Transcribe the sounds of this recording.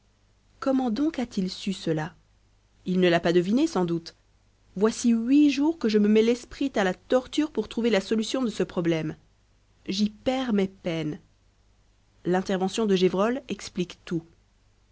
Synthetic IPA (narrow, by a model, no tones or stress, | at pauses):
kɔmɑ̃d̪ɔ̃kat̪ilsysəla | ilnəlapad̪əvinesɑ̃d̪ut̪ | vwasiɥiʒuʁkəʒəməmɛlɛspχit̪alat̪ɔʁt̪yʁpuʁt̪χuvelasɔlysjɔ̃d̪əsəpχɔblɛm | ʒipɛʁmɛpɛn | lɛ̃t̪ɛʁvɑ̃sjɔ̃d̪əʒevʁɔlɛksplikt̪u